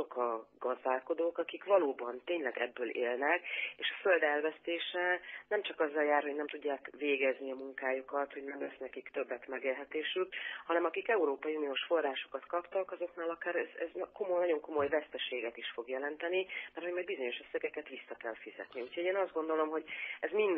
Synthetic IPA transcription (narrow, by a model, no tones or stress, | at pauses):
okɒɡɒzd̪aːlko̞d̪oːkɒkikʋɒloːbɒnt̪eːɲlɛɡɛ̰bːøːlʔḛːlnɛkeːʃɒ̥fø̞ld̪ɛlvɛst̪eːʃɛnɛmt͡ʃɒkɒzːɒljaːrhonɛmt̪uɟːaːkveːɡɛzniɒmuŋkaːjukɒt̪ho̞ɟnɛmlɛsnɛkikt̪ø̞bːɛt̪mɛɡeːlɦɛt̪eːʃykhɒnɛmɒkikɛuɾoːpɒjiunijoːʃfo̞rːaːʃo̞̥kɒt̪kɒpt̪ɒkɒzo̞knaːlɒkaːɾɛzɛ̰zkomojnɒɟo̞ŋko̞mo̞jvɛst̪ɛʃeːɡɛt̪iʃfo̞ɡjɛlɛnt̪ɛnimɛrhoɟmɒjd̪bizo̞ɲo̞ʃøsːɛɡɛkɛt̪ʋisːɒkɛlfizɛ̰t̪niucʰho̞ɟeːnɒzd̪ɡo̞nd̪o̞lo̞mɦo̞ɟɛzmin